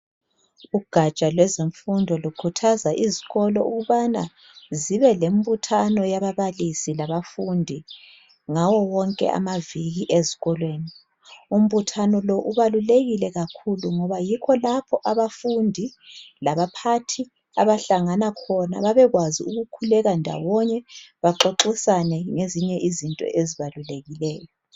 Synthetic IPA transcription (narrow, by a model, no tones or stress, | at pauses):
uɡ̥ʱat͡ʃʼalwɛzeɱfundʱɔlukʰutʰazaʔiziɣɔlɔuɣuβana̰ | ziβɛlem̩βutʰanɔjaβaβalisilaβafundʱi | ŋawɔwɔŋkʼɛ̰ʔa̰maviɣiʔezi̥ɣɔlweːni | um̩βutʰanɔlɔʔuβaluleɣilɛɣakʰuluŋɔβajikʰɔlapʰɔʔaβafundʱilaβapʰatʰi | a̰βaɬaŋanakʰɔna̰βaβɛɣwaziuɣukʰulɛɣandʱa̰wɔɲɛβaǁoǁisanɛŋeziɲɛʔizintʼɔ̰ʔeziβaluleɣilɛːjɔ